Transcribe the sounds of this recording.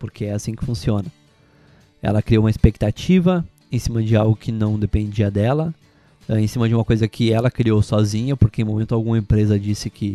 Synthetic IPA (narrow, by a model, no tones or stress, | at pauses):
poɾkʰeɛasĩkɪ̥fũsiõnɐ | ɛ̰lɐkɾiowumɐispek̚t̪at͡ʃivɐ | ẽsĩmɐd͡ʒɪawɡʊkʰɪnɐ̃w̃d̪epẽnd͡ʒiɐd̪ɛlɐ | ɛẽsĩmɐd͡ʒɪumɐkojzɐkʰɪɛlɐkɾiowsɔzĩɲɐpoɾkẽmõmẽnt̪ʊawɡũmɐẽmpɾezɐd͡ʒisɪkʰɪ